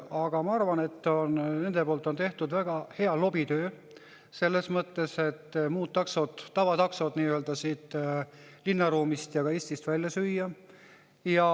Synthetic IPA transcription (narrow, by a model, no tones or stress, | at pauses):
ɑɡ̥ɑmɑɑrvɑne̞t̪ːo̞nne̞nd̪e̞poːlt̪ːˑo̞nt̪e̞ht̪ud̪væɡ̥ɑhe̞ɑlo̞bit̪ø̞ː | se̞lːe̞smɤt̪ːe̞se̞t̪ːˑmuːt̪̚ːɑkso̞d̪ːɑvɑt̪ɑkso̞d̪niːøld̪ɑsiːt̪ˑ | linːɑɾuːmist̪jɑɡ̥ɑeːsʲt̪ist̪vælʲjɑsyjːɑ | jɑ